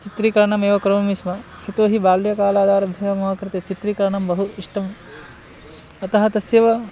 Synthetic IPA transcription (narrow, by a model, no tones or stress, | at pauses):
t͡ʃit̪ɾikɐɾɐɳɐmeːʋɐkɾɐmɐmisʋɐ | hit̪oːɦibaːljɐkaːlaːd̪aːɾɐbʱjɐːʋɐmɐʋɐkɾit̪et͡ʃit̪ɾikɐɾɐɳɐmbɐɦuiʂʈʰɐm | ɐt̪ɐɦɐt̪ɐsjɐʋɐ